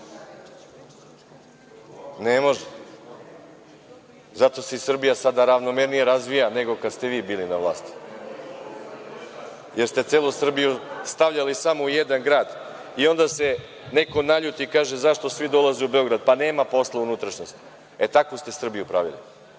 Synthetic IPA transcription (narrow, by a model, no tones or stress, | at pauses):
nemo̞ʒe | zat̪o̞seisr̩bijasad̪aɾaʋno̞meɾnijeɾazʋijane̞ɡo̞kad̪st̪e̞ʋiːbiːlinaʋlˠa̰ːst̪i̥ | jeɾst̪e̞t̪seːlˠusr̩bijust̪aʋʎalisamoujed̪anɡɾaːd̪ | io̞nd̪ase̞ | ne̞ko̞naʎut̪iːkaːʒezaʃt̪osʋid̪o̞lˠazeubeo̞ɡɾad̪̚pane̞ːmapo̞slˠaunut̪ɾaʃɲost̪ | et̪akust̪e̞sr̩bijupɾaʋḭlḭ